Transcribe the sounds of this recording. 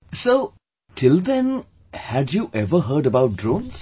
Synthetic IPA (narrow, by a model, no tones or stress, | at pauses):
soː | ʈʰɪld̪ɛ̃n | hædjuːʔɛvəɦəːɖəbaʊt̚dɾõːns